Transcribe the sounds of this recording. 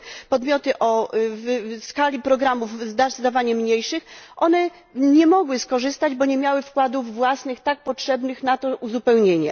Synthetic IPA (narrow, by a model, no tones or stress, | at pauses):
pɔd̪mʲjɔt̪ɘʔɔvskalʲipɾɔɡɾamuvzd̪azd̪avaɲɛmɲejʂɘxʔɔnɛ | ɲɛmɔɡwɘskɔʐɘst̪ad͡ʑbɔɲemʲjawɘfkwad̪uvːwasnɘxt̪ak̚pɔtʂɛbnɘxnat̪ɔʔuzupɛwɲeɲɛ